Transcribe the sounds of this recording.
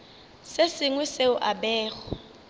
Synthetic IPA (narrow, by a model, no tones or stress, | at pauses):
sesɪŋwiseʊʔaɓɛːɣɔ